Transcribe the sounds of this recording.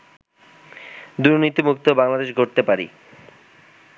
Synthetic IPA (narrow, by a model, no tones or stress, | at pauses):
d̪uɾnit̪imuk̚t̪obaŋlad̪eʃɡʱoɾt̪epaɾḭ